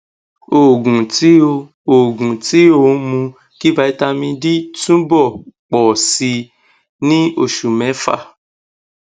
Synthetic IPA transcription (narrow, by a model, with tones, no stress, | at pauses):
o˨ɡũ˨ti˦o˧ | o˨ɡũ˨ti˨˦o˦˨˦mũ˧ | ki˦ba˨˧˦i˧ta˧mĩ˧di˦tũ˦bɔ˦˨k͡pɔ˨si˧ | nĩ˦o˨ʃu˨mɛ̃˨˦fa̰˦˨